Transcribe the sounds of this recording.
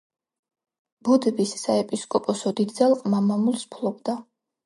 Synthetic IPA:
b̥ud̪bisːaɛpʼiskʼɔpʼɔsɔd̪id̪zalˠqʼmamamulspʰlˠɔbd̪a

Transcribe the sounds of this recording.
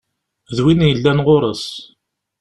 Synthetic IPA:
ðwinjəlːænʁoɾˤəs

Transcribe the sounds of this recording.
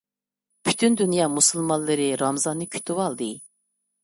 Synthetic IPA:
pʰy̥t̪ʰynd̪ynjɑmusulˠmɑnllˠːɨɾɨɾɑmzɑnːɨkʲʰy̥t̪ʰywɑlˠd̪ɨ

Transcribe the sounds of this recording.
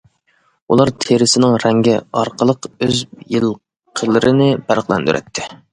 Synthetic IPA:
ulˠɑɾt̪ʰeɾɪsɪnɪŋɾɛŋɡʲɛɑɾqəlˠəqøzjɨlˠ | qʰəlˠɨɾɨnɪbæɾqlˠɛ̰nd̪y̰ɾʔɛ̰t̪ʰːɪ

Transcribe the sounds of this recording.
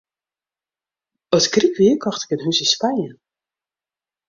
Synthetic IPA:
ɔtkrikʋiəkʰɔxtɪ̥kənɦysəspajən

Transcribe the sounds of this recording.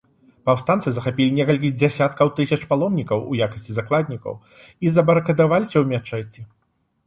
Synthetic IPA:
pawst̪ant̪sɨzɐxapʲilʲinʲɛkɐlʲkʲid͡zʲasʲat̪̚kɐwt̪ɨsʲɐt͡ʂpalˠɔmnʲikɐwṵjakɐsʲt͡sʲizaklˠad̪ʲnʲikɐ̰w | izɐbɐɾɐkɐd̪avalʲisʲɐwmʲat͡ʂɛt͡sʲːi

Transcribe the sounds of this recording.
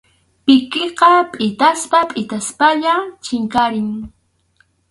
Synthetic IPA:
pɪkeqɑpʼɪt̪aspapʼɪt̪aspaʎat͡ʃɪŋkaɾɪŋ

